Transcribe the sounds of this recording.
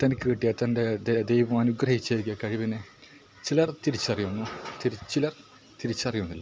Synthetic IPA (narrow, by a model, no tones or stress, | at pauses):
t̪ɐnɐkʲːɨkiʈːijɐt̪ɐnded̪d̪ejʋɐmɐnuɡrɐhit͡ɕːeːɾikʲːɐkɐɻiʋinɨ | t͡ɕilɐrt̪iɾit͡ɕːɐrijunːut̪iɾit͡ɕilɐr | t̪iɾit͡ɕːɐrijunːilːɐ